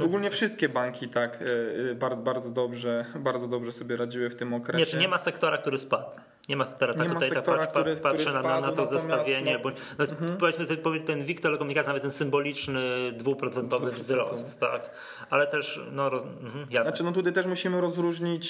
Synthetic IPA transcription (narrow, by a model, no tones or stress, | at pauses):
ɔɡulɲɛfʂɨst̪̚kʲɛbaŋkʲit̪akbaɾbaɾd̪zɔd̪ɔbʐɛbaɾd̪zɔd̪ɔbʐɛsɔbʲjɛɾad͡ʑiwɘft̪ɘmɔkɾɛɲɛt͡ʂɘɲɛmasɛkt̪ɔɾak̚t̪uɾɘspat̪ | ɲɛmasɛ̥kt̪ɔɾat̪ak̪t̪t̪ajt̪akt̪apapatʂɛnaanat̪ɔzɛt̪avʲjeɲɛlbɔ | nɔpɔvʲjet̪mɘsɔbʲepɔvʲet̪ɛnvʲikt̪ɛlɛkɔmuɲikat̪sʲjnavɛt̪ːɛnsɘmbɔlʲit͡ʂnɘd̪vupɾɔt̪sɛnt̪ɔvɨvzɾɔ̰st̪ːa̰k | ʔalɛt̪ɛʂnɔɾɔm̩mm̩jasanɛɨnɔt̪ut̪ajt̪ɛʂmuɕimɘɾɔzɾuʐɲit͡ɕ